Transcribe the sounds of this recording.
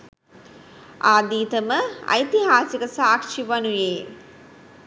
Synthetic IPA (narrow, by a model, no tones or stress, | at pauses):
aːd̪iːt̪əməɐ̰jt̪iɦaːsikəsaːkʂiʋanujeː